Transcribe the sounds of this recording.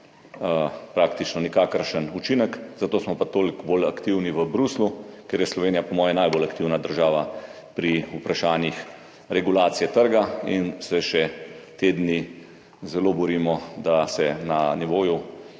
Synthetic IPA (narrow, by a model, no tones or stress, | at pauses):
əpɾakt̪it͡ʃnɔnikaːkəɾʃənut͡ʃinəkzat̪oːsmɔpat̪oːlikbolakt̪iwniʋəbɾuslukeɾjɛslɔʋeːnijapɔmɔːjɛnajbolakt̪iwnad̪əɾʒaːʋa | pɾiupɾaʃaːnjix | ɾɛɡulaːt̪sijɛt̪əɾɡainsɛʃɛt̪eːd̪ni | zɛloːbɔɾimɔd̪asɛnaniʋoːju